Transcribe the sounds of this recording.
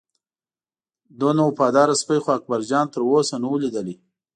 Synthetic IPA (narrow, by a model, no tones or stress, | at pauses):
d̪onawpɑd̪ɑɾaspəjxoak̚baɾd͡ʒɑnt̪əɾosanuwlid̪əli